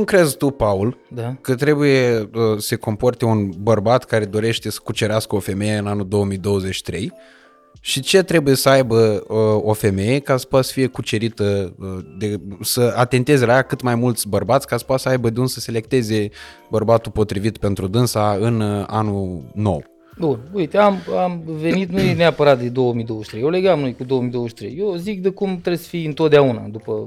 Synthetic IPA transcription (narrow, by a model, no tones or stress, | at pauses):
ukɾe̞zt̪upauld̪kət̪ɾe̞bujeəse̞ko̞mpo̞rt̪e̞unbərbat̪kaɾe̞d̪o̞ɾe̞ʃt̪e̞sə̥kut͡ʃe̞ɾeaskəo̞fe̞me̞jeɨnanud̪o̞wəmijd̪o̞wəze̞t͡ʃːi̥t̪ɾe̞j | ʃit͡ʃe̞t̪ɾe̞buje̞səajbəəofe̞me̞je̞kasə̥poat̪sə̥fije̞kut͡ʃe̞ɾit̪əəd̪e̞səat̪e̞nt̪e̞zelajakɨt̪majmult̪sʲbərbat̪sʲkasə̥poat̪səajbəd̪eunsəse̞le̞k̚t̪e̞ze̞bərbat̪upo̞t̪ɾivit̪pe̞nt̪ɾud̪ɨnsaɨna̰nuno̞̰w | bunujt̪eamamvenit̪nujeneapəɾat̪̚d̪ed̪o̞wəmijd̪owəʃit̪ɾejeleɡamnojkud̪o̞omid̪ooəʃit̪ɾejjewzik̚d̪ekumt̪ɾebsə̥fiɨnt̪ot̪d̪eauna̰d̪upə